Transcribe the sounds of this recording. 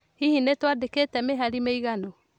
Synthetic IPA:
hihinetwadeketɛmeɦaɾimeiɣano

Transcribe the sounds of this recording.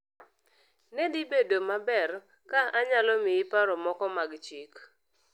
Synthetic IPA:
nedibedomabɛr | kaaɲalɔmɪipaɾɔmɔkɔmaɡt͡ʃik

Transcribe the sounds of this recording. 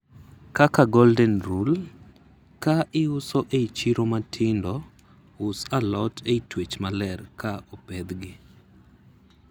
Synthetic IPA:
kakaɡɔldɛnɾul | kaʔɪʊsɔʔeit͡ʃiɾomatʰɪndɔ | ʊsalɔtʰeitwet͡ʃmalɛrkʰaʔɔpɛd̪ɡɪ

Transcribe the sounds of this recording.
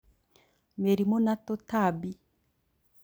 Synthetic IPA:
meɾimonatotabi

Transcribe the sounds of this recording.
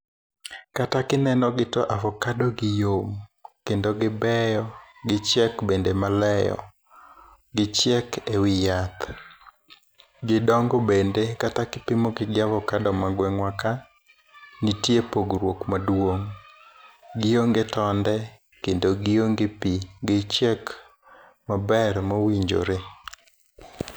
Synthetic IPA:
katakɪnɛnɔɡɪtɔʔavɔkadɔɡɪjomkendoɡɪbɛjɔɡɪt͡ʃjɛkbendemalɛjɔ̰ | ɡɪt͡ʃjɛkewɪjat̪ | ɡɪdɔŋɡɔbendekatakɪpɪmoɡɪɡɪavɔkadɔmaɡwɛŋwaka | nitjepoɡɾwokmadwoŋ | ɡɪjoŋɡɪtɔndɛ | kendoɡɪjoŋɡɪpiɡɪt͡ʃjɛk | mabɛɾmawiɲd͡ʒo̰ɾe

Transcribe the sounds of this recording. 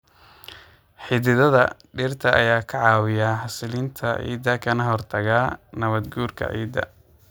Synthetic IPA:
ħɪðɪðɐðɐɖɪrt̪ʰɐʔɐ̰jaːkʰɐʕɑːwɪjaːħɐsɪlint̪ʰɐʕḭːd̪ɐkʰɐnɐɦɔrt̪ʰɐɣaːnɐβɐd̪ɡuːrkʰɐ̰ʕḭːd̪ɐ̰

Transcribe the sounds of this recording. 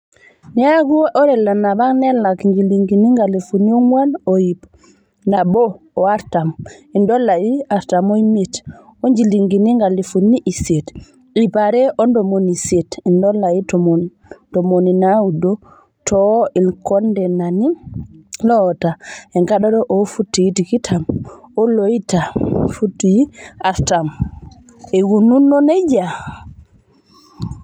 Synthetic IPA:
naɡuʔɔɾɛlanabaŋnɛlakŋɡiliŋɡiniŋɡalifunioŋwanojip | nabɔː | aɾtamindɔlaiaɾtamoimitoɲd͡ʒiliŋɡiniŋɡalifuniʔiset | ipaɾɛʔɔndɔmonisetindɔlaitɔm | d̥ɔmoninawudɔ | tʰɔilkɔndɛnani | lɔtaɛŋɡaɗɔdɔʔɔfutːijtikitʰamɔlojitafutːiaɾtam | ɛwununːɔnɛd͡ʒa

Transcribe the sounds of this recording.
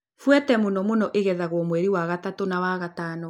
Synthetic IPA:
fwɛtɛmonɔmonɔʔeɣɛðaɣwɔmwɛɾiwaɣatatonawaɣatanɔ

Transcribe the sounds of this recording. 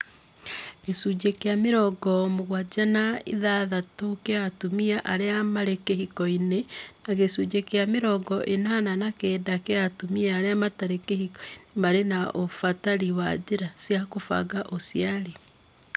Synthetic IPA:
ɣesud͡ʑekeameɾɔɡɔmoɣwad͡ʑanaḭðaðatokeatumiaʔaɾeamaɾekehikɔinenaɣesuːd͡ʑekjameɾɔɡɔʔenananakeːdakeatumiaːɾeamataɾekehikinmaɾenaʔofataɾiwa̰d͡ʑeɾasjakofa̰ɡaʔosjaɾe

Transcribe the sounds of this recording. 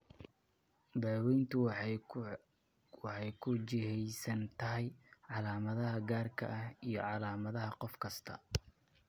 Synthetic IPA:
d̪ɑːwɛjnt̪ʰʊ | wɑħɑjkʰʊt͡ʃɪɦɛjsɐnt̪ʰɐɦɛjʕɑlaːmɐðɐɦɐɡaːrkʰɐ̰ʔɐhijɞ̰ʕɑlaːmɐðɐɦɐqɔfkʰɐst̪ʰɐ̰

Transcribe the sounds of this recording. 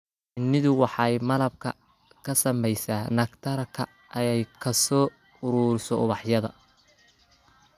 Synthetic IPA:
ɪnːɪðʊwɑħɑjmɐlɐb̚kʰɐ̰ | kʰɐsɐmɛjsaːnɐkt̪ʰɐɾɐkʰɐ | ʔɐjɛjkʰɐsɔː | ʊɾuːɾɪsɔʊβɑħjɐðɐ̰

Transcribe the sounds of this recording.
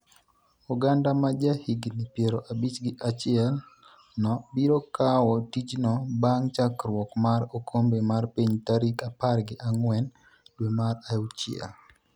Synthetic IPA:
uɡandamad͡ʒahiɡnipjeɾoʔabit͡ʃɡɪʔat͡ʃɪɛl | nɔbiɾokʰawɔtit͡ʃnɔbaŋt͡ʃakɾwɔkmaɾokʰombemarpiɲtaɾikaparɡɪʔaŋwɛn | dwemaɾaut͡ʃḭa̰

